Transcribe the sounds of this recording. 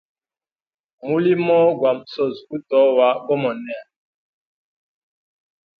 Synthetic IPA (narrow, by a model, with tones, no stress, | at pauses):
mu˦li˦mɔ˦ɡwa˨mso˦˨zu˦tɔ˨˦wa˦ɡɔ˦mɔ˨nɛ˦˨